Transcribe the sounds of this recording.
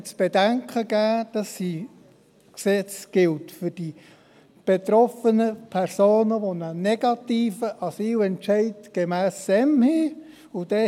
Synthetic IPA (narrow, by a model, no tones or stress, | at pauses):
t͡sb̥edæŋkʰəɡæːd̥ɑsːi | ksɛt͡sɡ̥ɪltfʏd̥i | b̥et̪ɾɔfənəpʰɛɾsoːnəʋonənɛɡ̥ɑt̪iːfəʔɑsiːwɛntʃɛɪtɡ̥emæːsːɛmhɪ | ʊd̥ɛ